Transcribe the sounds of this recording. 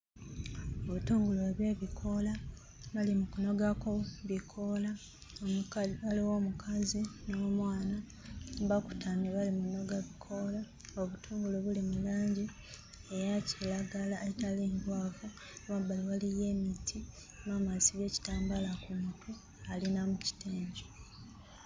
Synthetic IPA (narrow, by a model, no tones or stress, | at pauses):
oβutuːŋɡuloβjweβikʰo̞la | βalimukuno̞ɡakoβikʰo̞la | aliwoːmukʰazino̞ːmwaːna | βaku̥taːmeβalimuno̞ɡaβikʰo̞la | oβutʰuːŋɡuloβulimulaːɲɟi | ejacilaɡalaetaleːŋɡwaːvu | mabaliwalije̞ːmitʰi | mamasiβe̞ːci̥taːmbalakumutʰu | alinamuci̥teːɲɟo